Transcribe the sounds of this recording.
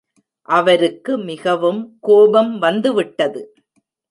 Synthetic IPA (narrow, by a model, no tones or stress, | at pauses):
ʔɐʋɐɾɯkːɯmɪɣɐʋɯmkoːbɐmʋɐnd̪ɯʋɪʈːɐðɯ